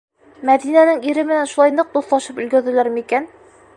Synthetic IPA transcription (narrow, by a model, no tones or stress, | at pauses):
mæðinænɘŋiɾɘmɘ̆nænʃulˠɑjnɤq̚d̪uθlˠɑʃɤpɵ̆lɡæ̆ɾðɘ̆læɾmikæn